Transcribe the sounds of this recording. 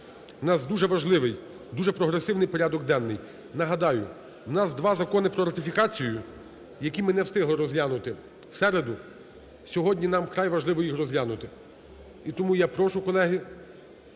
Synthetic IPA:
nɑsd̪uʒɛʋɐʒlˠɪʋɪj | d̪uʒɛpɾɔɦɾesɪwnɪjpɔɾʲad̪ɔɡ̚d̪ɛnːɪj | nɐɦɐd̪ɑjʊ̰ | nɑsd̪ʋɑzɐkɔnɪpɾɔɾɐt̪ɪfʲikɑt͡sʲijʊ | jɐkʲimɪnɛwst̪ɪɦlˠɪɾɔzʲlʲanʊt̪ɪ | sɛɾed̪ʊ | sʲɔɦɔdʲnʲinɑmkɾɑjʋɐʒlˠɪʋɔjixrɔzʲlʲanʊt̪ɪ | it̪ɔmujapɾɔʃʊkɔlˠɛɦɪ

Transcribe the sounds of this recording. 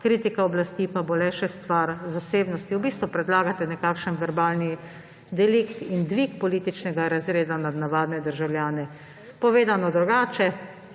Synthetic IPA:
kɾiːt̪ikaɔblast̪ipabolɛʃɛst̪ʋaɾzaseːbnɔst̪iwbiːst̪ʋɔpɾɛd̪laːɡat̪ɛnɛkaːkʃənʋɛɾbaːlni | d̪ɛlikt̪ind̪ʋikpɔliːt̪it͡ʃnɛɡaɾazɾeːd̪anad̪naʋaːd̪nɛd̪əɾʒawlʲjaːnɛ | pɔʋeːd̪anɔd̪ɾuɡaːt͡ʃɛ

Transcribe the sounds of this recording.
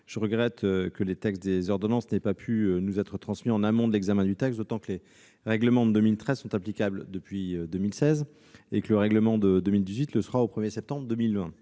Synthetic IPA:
ʒ̥əʁəɡʁɛt̪ʰøkəlet̪ɛkst̪̚d̪ezɔʁd̪ɔnɑ̃snɛpapʰyønuzɛt̪χət̪χɑ̃smiɑ̃namɔ̃d̪əlɛɡzamɛ̃d̪yt̪ɛkst̪d̪ot̪ɑ̃kəle | ʁɛɡləmɑ̃d̪əd̪ømilt̪χɛz̥sɔ̃t̪aplikʲabld̪əpɥiød̪ømilsɛz | ekələʁɛɡləmɑ̃d̪əd̪ømild̪izɥit̪ləsəʁaopχəmjesɛp̚t̪ɑ̃bʁd̪ømilvɛ̃

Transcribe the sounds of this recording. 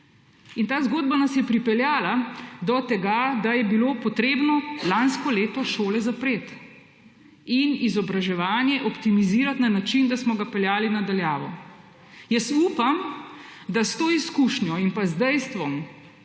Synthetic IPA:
int̪aːzɡoːd̪banasjɛpɾipɛljaːlad̪ɔt̪ɛɡad̪ajɛbiloːpɔt̪ɾeːbnɔlanskɔleːt̪ɔʃoːlɛzapɾeːt̪ | inizɔbɾaʒɛʋaːnjɛʔɔpt̪imiziːɾat̪nanat͡ʃind̪asmɔɡapɛljaːlinad̪aljaːʋɔ | jəsuːpamd̪ast̪oːiskuʃnjɔinpazd̪ɛjst̪ʋɔm

